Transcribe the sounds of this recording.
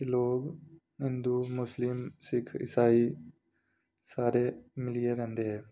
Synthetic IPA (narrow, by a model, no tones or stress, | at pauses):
kiloːɡ | ɦɪ̃nd̪umʊslɪmsɪkʰɪ̰saːi | saːɾemɪlijeɾɛ̃ɦnd̪eɦɛ̃ː